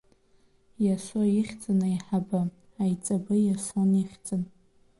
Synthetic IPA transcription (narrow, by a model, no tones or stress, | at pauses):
jaʃʷoiχʲt͡sʼanajħaba | ajt͡sʼabɨjaʂʷoniχʲt͡sʼɨn